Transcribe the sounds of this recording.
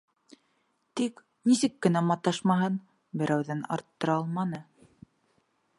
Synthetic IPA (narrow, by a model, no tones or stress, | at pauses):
t̪ik | nisɘkːɘ̆næmɑt̪ɑʃmɑɦɤn | bɘ̆ɾʔæwðænɑ̰ɾt̪ːɤ̆ɾɑɑlˠmɑnɤ